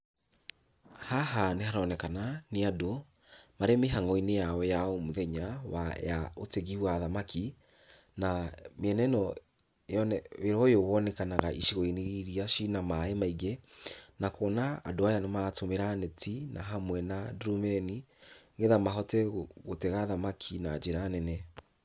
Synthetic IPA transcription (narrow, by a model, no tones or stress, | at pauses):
haɦanehaɾɔːnɛkananeado | maɾemeɦaŋɔinejawɛjaɔmoðɛɲawa̰ja̰oteɣiwaðamakʰi | nameɛnɛnɔ | jɔnɛeɾɔjowɔnɛkanaɣaʔiʃiɣoineiɾiaʃinamaɛmaiɡɛnakɔːna̰ːdoajanɔmatomeɾanɛtʰinaɦamwɛnadɾumɛni | ɣeðamaɦɔtɛɣotɛɣaðamakʰinad͡ʒeɾanɛnɛ